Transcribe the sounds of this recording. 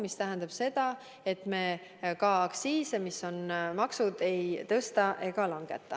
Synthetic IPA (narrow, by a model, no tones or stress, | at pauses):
mist̪æɦænd̪ɑb̥se̞d̪̥ɑ | e̞t̪me̞kɑːksiːsemisːo̞nmɑksud̪̥e̞jt̪ɤst̪ɑʔe̞ɡ̥ɑlɑŋɡ̥e̞̰t̪ːˑɑ